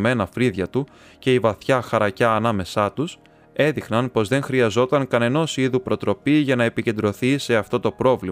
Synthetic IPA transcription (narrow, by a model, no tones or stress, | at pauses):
me̞nɐfɾiðʝɐt̪u | ce̞ivɐθçɐxɐɾɐcɐːnɐme̞sɐt̪us | e̞ðixnɐnpo̞zðe̞ŋxɾiɐzo̞t̪ɐŋkɐne̞no̞siðupɾo̞t̪ɾo̞piʝɐnɐe̞pice̞nd̪ɾo̞θise̞ɐft̪o̞t̪o̞pɾo̞vli